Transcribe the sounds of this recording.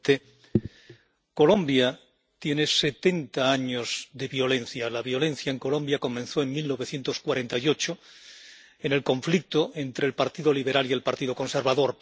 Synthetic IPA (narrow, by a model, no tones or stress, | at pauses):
t̪e | ko̞lõmbja | t̪je̞ne̞se̞t̪e̞nt̪aaɲozðeβjo̞le̞n̟θjalaβjo̞le̞n̟θjaeŋko̞lo̞mbjako̞mẽ̞nθo̞e̞ŋmilno̞βe̞θje̞nt̪o̞skwaɾe̞nt̪ajo̞t͡ʃo | ene̞lkõ̞ɱflik̚t̪oʔe̞nt̪ɾelpaɾt̪iðoliβe̞ɾalielpaɾt̪iðoko̞nse̞ɾβaðo̞ɾ